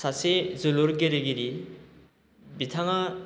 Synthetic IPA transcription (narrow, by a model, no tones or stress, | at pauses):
sasezɯluɾɡeɾɯɡiɾi | bitʰaŋa